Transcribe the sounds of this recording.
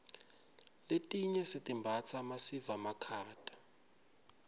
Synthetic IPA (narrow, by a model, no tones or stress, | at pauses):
letʼiɲɛsitʼimbʱat͡sʰʼamasivamakʰaːtʼḁ